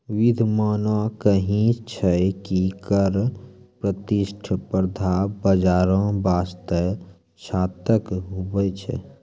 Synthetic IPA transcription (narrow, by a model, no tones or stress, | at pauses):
wid̪ʱmaːnwakəɦĩt͡ʃʰɛkikəɾpɾət̪iʃʈʰəpəɾd̪ʱabəd͡ʒaːɾãbast̪ə | t͡ʃʰaːt̪əkɦobət͡ʃʰɛ̰